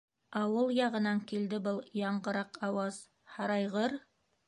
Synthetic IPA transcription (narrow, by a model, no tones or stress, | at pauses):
ɑwɤlˠjɑʁɤ̆nɑŋkild̪ɘbɤlˠjɑɴɢɤ̆ɾɑqɑwɑz | hɑɾɑjʁɤɾ